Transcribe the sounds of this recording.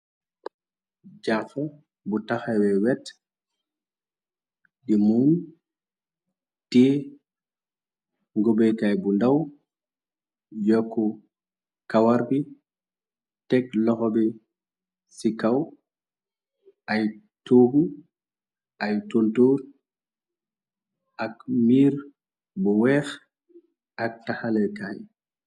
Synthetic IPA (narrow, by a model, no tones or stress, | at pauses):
d͡ʒafa | butaxawɛwɛt | ɗimun | ti | ŋɡobɛjkajbundaw | jɔkːɔ | kawaɾbi | tɛklɔxɔbɛ | sikaw | ʔaj | toɡu | ʔajtontoːɾ | ʔakmiːɾ | buwɛːx | ʔak̚taxalɛjkaj